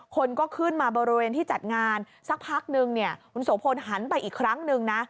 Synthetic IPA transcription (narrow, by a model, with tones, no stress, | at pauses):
kʰo˧nkɔː˥˩kʰɯː˥˩nmaː˧bɔː˧ɾi˧weː˧nt̪ʰiː˥˩t͡ɕa˨˩t̪̚ŋaː˧n | sa˨˩k̚pʰaː˥˩k̚nɯ˧ŋni˥˩ɐkʰu˧nso˩˦pʰo˧nɦa˩˦npa˧jʔiː˨˩kʰɾa˦˥ŋnɯ˧ŋna˦˥